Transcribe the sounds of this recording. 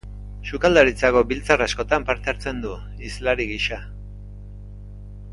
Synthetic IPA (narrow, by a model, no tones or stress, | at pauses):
sukald̪aɾit͡sako̞bilt͡sarasko̞t̪ampaɾt̪eaɾt͡se̞nd̪u | islaɾiɣiʃa